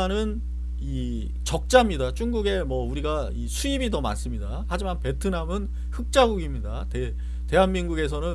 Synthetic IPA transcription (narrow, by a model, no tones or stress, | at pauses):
nɯn | i | t͡ɕʌk̚t͡ɕ͈amɲidat͡ɕ͈ʰuŋɡuɡe̞mwʌuɾiɡa | isʰuibitʌma̰ns͈ɯmɲidahad͡ʑimanpe̞tʰɯnamɯn | hɯk̚t͡ɕ͈aɡuɡimɲidate | te̞ɦanminɡuɡe̞s̬ʰʌnɯ